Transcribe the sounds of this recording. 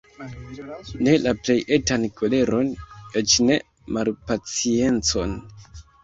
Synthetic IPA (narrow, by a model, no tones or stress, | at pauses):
ne̞laple̞jetankole̞ɾo̞net͡ʃne̞ | malpat͡sie̞nt͡so̞n